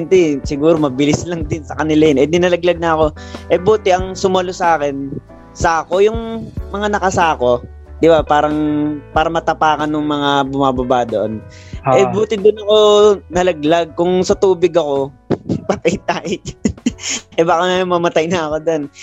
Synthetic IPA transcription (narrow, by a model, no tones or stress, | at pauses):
nt̪ɛsɪɡuːɾomɐbɪlɪslɐŋd̪ɪnsɐkɐnɪlajnʔɛnɪnɐlɐɡlɐɡ̚nɐɐko̞ʔɛbuːt̪ɪʔɐŋsʊmɐlosɐʔaːkɛn | saːko̞jʊŋmɐŋanɐkɐsaːko̞ | d̪ɪbapaːɾɐŋpaːɾɐmɐt̪ɐpaːkɐnːʊŋmɐŋabʊmaːbɐbaːd̪oʔon | ʔɛbuːt̪ɪd̪ɪnɐko̞nɐlɐɡ̚laɡ̚kʊŋsɐt̪uːbɪɡɐko̞pɐt̪ɐjt̪aj | ʔɛbaːkɐmɐmɐt̪ajnɐɐko̞d̪on